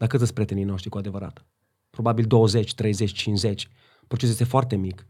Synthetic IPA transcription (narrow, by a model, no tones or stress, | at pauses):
d̪akət̪zətspɾʲet̪enijno̞ʃt̪ɾikuad̪e̞vəɾa̰t̪ | pɾo̞babild̪o̞wəze̞t͡ʃʲt̪ɾe̞jzet͡ʃʲt͡ʃint͡ʃze̞t͡ʃʲ | pɾot͡ʃesjest̪foart̪e̞mik